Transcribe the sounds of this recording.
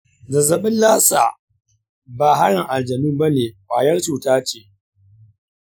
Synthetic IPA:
da˨zɐ˨ɓɪ˦nlaː˦sa̰ː˨ | baː˨ɦa˦ɽɪ˨ŋʔa˨ld͡ʒɐ˨mɪ˦mba˦neː˨waː˨jɐ˦rt͡ʃuː˨taː˦t͡ʃe˨

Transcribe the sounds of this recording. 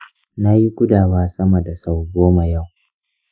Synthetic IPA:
na˦ji˦ɡʷʊ˦daː˨waː˦sɐ˦mɐ˨da˨sa˨wɡoː˦ma˨ja˦˨w

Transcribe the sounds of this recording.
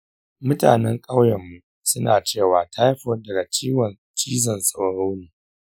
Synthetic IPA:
mʊ˦ta̰ː˨nɛ˦ŋkʼa˦wjɐ˨mːu˨ | sʊ˦na̰ː˨t͡ʃeː˦˨waː˨tʰa˦jɸo˦dɐ˨ɡa˨t͡ʃiː˦wɐ˨n | t͡ʃiː˦zɐ˨nsʼa˨wɽa˦wniː˨

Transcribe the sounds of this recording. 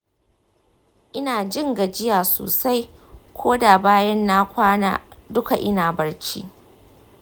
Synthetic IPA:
ʔɪ˦naː˨d͡ʒɪ˦ŋɡa˨d͡ʒɪ˦jaː˨so̰ː˨sa˦jkʷʰoː˦da˨baː˦jɐ˦nːa˦kʷaː˦na̰ː˦dʊ˦ka˨ʔɪ˦naː˨bɐ˨rt͡ʃḭː˦ʔ

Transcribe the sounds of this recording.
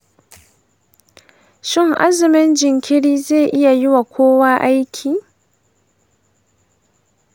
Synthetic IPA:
ʃɪ˦ŋʔa̰˦zɪ˨mɪ˦nd͡ʒɪ˨ŋkʲʰɪ˦ɽiː˦zeː˦˨ʔɪ˦ja˨jɪ˦wa˨kʷʰoː˦waː˦ʔa˦jkʲʰiː˨

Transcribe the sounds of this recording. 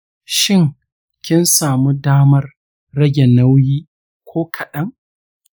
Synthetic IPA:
ʃɪ˦ŋ | kʲɪ˦nsaː˨mu˦daː˦mɐ˦rː | ɐ˦ɡʲe˨na˦wjiː˦ | kʷʰoː˦kʰɐ˨ɗɐ˦ŋ

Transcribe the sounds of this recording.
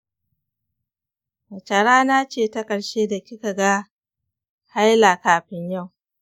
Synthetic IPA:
mɐ˨t͡ʃɐ˨ɽaː˦na˦t͡ʃeː˦˨tɐ˦kʼɐ˨ɽʃeː˦da˨kʲɪ˦ka˨ɡa˦ | ha˦jla˨kaː˨ɸɪ˦ɲja˦˨w

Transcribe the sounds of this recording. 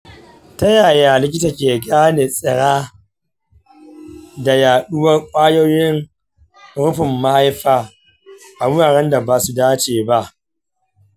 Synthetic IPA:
ta˦jaː˨jaː˨lɪ˦kʲɪ˦ta˨kʲeː˨ɡʲaː˦neː˨sʼɪ˨ɽaː˦ | da˨jaː˨ɗʊ˦wɐ˦rkʷʼaː˦joː˦jɪ˦ŋ | ɽʊ˦ɸɪ˨mːa˦ha˦jɸaː˦ | ʔa˨wʊ˦ɾaː˨ɽɛ˦nda˨baː˨su˦daː˦t͡ʃeː˨ba˦ʔ

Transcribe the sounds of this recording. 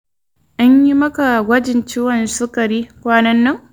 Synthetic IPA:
ʔa˦ɲji˦mɐ˦ka˨ɡʷɐ˦d͡ʒɪ˨nt͡ʃɪ˦wɐ˨nsʊ˦kʼɐ˨ɾiː˦kʷaː˦nɐ˦nːɐ˦ŋ

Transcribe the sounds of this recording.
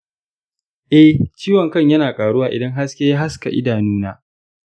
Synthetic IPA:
ʔɛ˦ht͡ʃiː˦wɐ˨ŋkɐ˦˨ɲjɐ˦naː˨kʼaː˨ɽu˦waː˨ʔɪ̰˨dɐ˦ŋɦa˦skʲeː˦ja˦ɦa˦ska̰˨ʔɪ̰˦daː˨nuː˦naː˦

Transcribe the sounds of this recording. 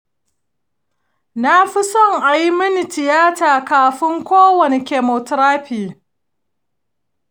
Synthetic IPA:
na˦ɸɪ˦sɔ˦˨ŋʔa˨ji˦mɐ˦ni˨tɪ˨jaː˦taː˨kaː˨ɸɪ˦ŋkʷoː˦wɐ˨ne˨kʲeː˨mɔ˨tɾaː˦ɸiː˨

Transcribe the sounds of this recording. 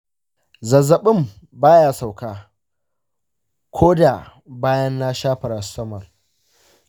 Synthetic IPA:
zɐ˨zɐ˨ɓɪ˦m | baː˦jaː˦sa˨wkaː˦ | kʷʰoː˦da˨ | baː˦jɐ˦nːa˦ʃaː˦ɸɐ˨ɾa˨˦sɐ˦mɐ˨r

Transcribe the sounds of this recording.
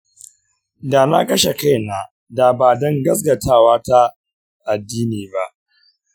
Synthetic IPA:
da˨na̰˦kɐ˦ʃe˨ka˦jna˨ | da˨baː˨dɔ˦ŋɡɐ˦s̬ɡɐ˨taː˦˨waː˦ta˦ | ʔa˨dːiː˦niː˨ba˦ʔ

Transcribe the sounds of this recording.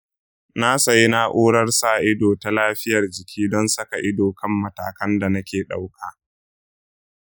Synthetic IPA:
na˦sɐ˨ji˦na˦ʔoː˦ɽɐ˦rsaː˦˨ʔɪ˦doː˨ta˨laː˦ɸɪ˦jɐ˨rd͡ʒɪ˨kʲʰiː˦dɔ˦nsɐ˦ka˨ʔɪ˦doː˨kɐ˦mːɐ˨taː˨kɐ˦nda˨nɐ˦kʲeː˨ɗa̰˦wkʰaː˨

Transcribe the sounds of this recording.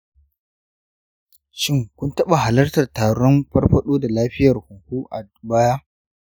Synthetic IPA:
ʃɪ˦ŋkʷʊ˦ntɐ˦ɓa˨ɦa˨lɐ˦rtɐ˨rtaː˨ɽɔ˦mɸɐ˦rɸɐ˦ɗoː˦da˨laː˦ɸɪ˦jɐ˨rhʊ˨ŋkʷuː˦ʔa˨ | baː˦jaː˦

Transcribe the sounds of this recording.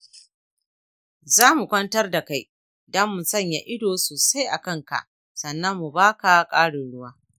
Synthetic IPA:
zaː˦mu˨kʷɐ˦ntɐ˦rda˨ka˦j | dɐ˦mːu˨sɐ˦˨ɲja̰˨ʔɪ˦doː˨soː˨sa˦jʔa˨kɐ˦ŋka̰˨ʔ | sɐ˨nːɐ˦mːu˨baː˦ka˨kʼaː˦ɽʊ˨ɽʊ˦waː˦

